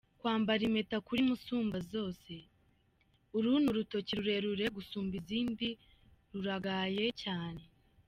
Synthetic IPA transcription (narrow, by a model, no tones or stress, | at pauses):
kwaːmbaɾime̞takuɾimusuːmbazo̞ːse̞ | uɾuːnuɾuto̞ciɾuɾe̞ɾuɾe̞ɡusuːmbiziːmbi | ɾuɾaɡaje̞caːne̞